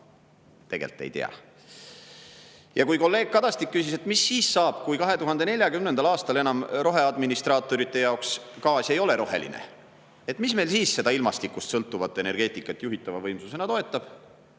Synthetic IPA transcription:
t̪e̞ɡe̞̰lt̪ːˑḛjt̪ḛɑ̰ | jɑkujko̞lːe̞ːɡ̥̚kɑd̪̥ɑst̪ikːysiset̪misːiːssɑːb̥kujkɑɦe̞t̪uɦɑnd̪̥e̞ne̞lʲjɑkymnenɑlɑːst̪ɑle̞nɑmro̞ɦe̞ɑd̪minist̪ɾrɑːt̪ːˑo̞ɾit̪ːˑe̞jɑokskɑːsʲe̞jo̞le̞ɾʔo̞ɦe̞̰lḭnḛ | e̞t̪misme̞jlsiːsse̞d̪̥ɑilmɑst̪ikːˑust̪sɤlt̪ːˑuvɑt̪ːˑene̞ɾɡ̥e̞ːt̪ːˑikːˑɑt̪ːˑjuɦit̪ːˑɑvɑvɤjmsuse̞nɑt̪o̞e̞t̪ːˑɑb̥

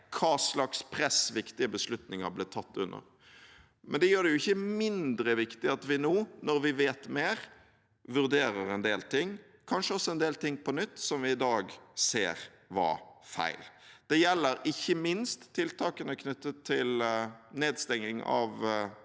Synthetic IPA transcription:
kʰɑːslɑkspʰɾɛsʋɪkt̪ɪəbəslʉt̪nɪŋɑ̰blɪːt̪ʰɑt̪ʰːʉ̰nːə̰ʁ | mʔɛnd̪ɛjøːd̪ɛjʊɪçːəmɪnd̪ɾəʋɪkt̪ɪɑt̪ʋɪnoːnɔɾʋɪʋeːt̪meːɾ | ʋʉʁɾd̪eːɾəɾɛnd̪eːlt̪ʰɪŋː | kʰɑnʂəɔsːɔɛnd̪eːlt̪ɪŋːpʰɔnʏt̪ːsɔmʋɪɪd̪ɑːɡseːɾ | ʋɑ̰fæ̰ɪld̪̥ɛjɛlːəɾɪçːəmɪnst̪ʰːɪlt̪ʰɑːkənəkʰnʏt̪ːət̪ʰːɪlneːd̪st̪ɛŋːɪŋɑ̰ʋ

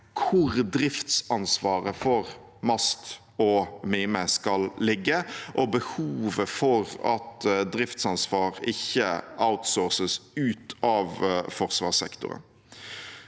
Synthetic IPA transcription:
kʰʊɾd̪ɾɪft̪sɑnsʋɑːɾəfɔɾ | mɑst̪ | ɔmɪːməskɑllɪɡːəʔɔbəhuːʋəfɔʁɑt̪d̪ɾɪft̪sɑnsʋɑːʁɪçːəaʊt̪soːʁsəsʉːt̪ɑʋfɔʁsʋɑ̰ːsɛkt̪ʊ̰ɾə̰n

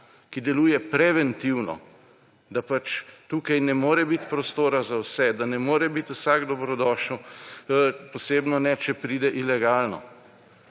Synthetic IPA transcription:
kid̪ɛluːjɛpɾɛʋɛnt̪iwnɔ̰ | d̪apat͡ʃt̪uːkajnɛmoːɾɛbit̪pɾɔst̪oːɾazawsɛd̪anɛmoːɾɛbit̪usaɡd̪ɔbɾɔd̪ɔːʃnu | pɔseːbnɔnɛt͡ʃɛpɾiːd̪ɛʔilɛɡaːlnɔ̰

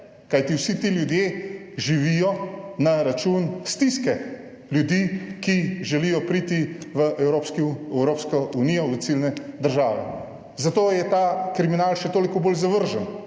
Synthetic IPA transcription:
kajt̪iwsit̪iljud̪jeʒiʋijɔnaɾat͡ʃuːnst̪iskɛ | ljud̪iːkiʒɛlijɔpɾiːt̪iʋəʔɛwɾoːpskiɛwɾoːpskɔunijɔʋəsilnɛd̪əɾʒaːʋɛ̰ | zat̪oːjɛt̪aːkɾiminaːlʃɛt̪oːlikɔboːlzaʋəɾʒən

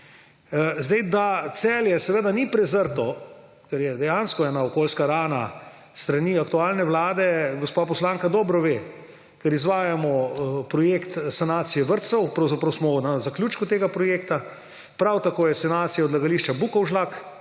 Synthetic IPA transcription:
zd̪ɛjd̪at̪sɛːljɛsɛʋed̪anipɾɛzəɾt̪ɔ | kɛɾjɛd̪ɛjanskɔɛːnaɔkoːlskaɾaːna | st̪ɾaniːakt̪uaːlnɛʋlaːd̪ɛɡɔspapɔslaŋkad̪ɔːbɾɔʋeː | kɛɾizʋaːjamɔpɾɔjekt̪sanaːt̪sijɛʋəɾt̪sɔwpɾawzapɾawsmɔnazaklʲjuːt͡ʃkut̪eːɡapɾɔjekt̪a | pɾawt̪akoːjɛsanaːt̪sijaɔd̪laɡaliʃt͡ʃabukɔwʒlak

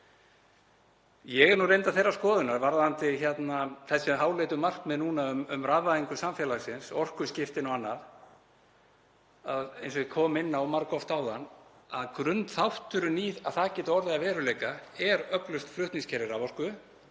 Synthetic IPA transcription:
jɛɣɛnurejnt̪aθejrːaskɔːðʏnaɾvaɾðant̪ɪçɛt̪naθɛsːɛmɦaːwlejt̪ʏmar̥kmɛðnuːnaʏmʏmraːvaðiŋkʏsamfjɛlaɣsɪnsɔr̥kʏscɪft̪ɪnɔwanːað | aðejnsɔkʰɔːmɪnːawmaɾkɔft̪aːwðanː | aðkɾʏnt̪θawht̪ʏɾʏniːðaðθacɛːt̪aɔɾðɪavɛːɾʏlejkaɛɾœklʏst̪flʏht̪niŋscʰɛɾɪɾavɔr̥kʏ

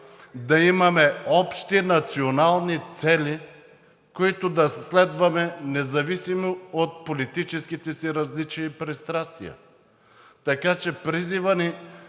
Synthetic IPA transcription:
d̪ɐimɐmɛɔpʃt̪inɐt̪sionalˠnit̪sɛlʲi | koit̪od̪ɐslɛd̪vɐmɛnɛzɐvisimoot̪̚polit̪it͡ʃɛskit̪ɛsiɾɐzlit͡ʃiːpɾɛst̪ɾast̪vḭjɐ̰ | t̪ɐkat͡ʃɛpɾizivəni

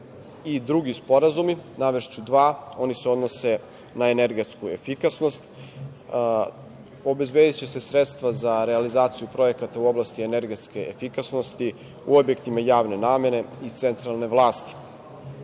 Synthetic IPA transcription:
id̪ɾuɡispo̞ɾazuminaʋeʃt͡ɕud̪ʋaːo̞niseo̞d̪no̞se̞ | naeneɾɡet̪skue̞̰fikasno̞st̪ | o̞be̞zbe̞ːd̪et͡ɕese̞sɾet̪st̪vazaɾealizaːt̪sijupɾo̞je̞kat̪auo̞blˠast̪ieneɾɡe̞t̪ske̞efikasno̞st̪i | ṵobjekt̪imajaːʋne̞naːmje̞ne̞it̪se̞nt̪ɾalˠne̞ʋlˠaːst̪i̥

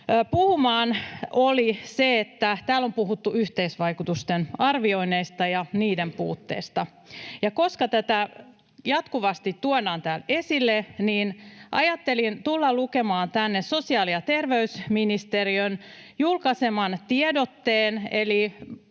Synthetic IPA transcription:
puhumɑːnoliseet̪ːæt̪æːlo̞mpuɦut̪ːuyht̪eisʋɑikut̪ust̪enɑrʋioineist̪ɑjɑniːdempṵːt̪ːḛːst̪ɑ | jɑko̞skɑt̪æt̪æ | jɑt̪kuʋɑst̪it̪tuodɑːnt̪æːlesilːeniːnʔɑ̰jɑt̪ːelint̪ulːɑlukemɑːnt̪ænːessosiɑːliɑt̪e̞rʋeysminist̪eriøn | julkɑsemɑnt̪iedot̪ːeːneli

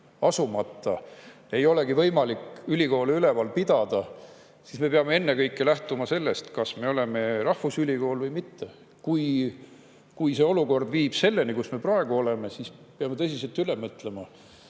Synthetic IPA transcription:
ɑsumɑt̪ːˑɑ̰ | e̞jo̞le̞ɡivɤjmɑlikylʲiko̞ːleyle̞vɑlpid̪̥ɑd̪̥ɑ | sisme̞peɑme̞e̞nːekɤjkːˑelæht̪umɑse̞lːe̞st̪kɑsme̞o̞le̞me̞rɑhfusylʲiko̞ːlvɤjmit̪ːe | kuj | kujse̞o̞luko̞rd̪̥viːb̥se̞lːe̞nikusme̞prɑe̞ɡ̥uo̞le̞me̞sispeɑmet̪ɤsʲise̞lt̪ylemɤt̪ˑle̞mɑ

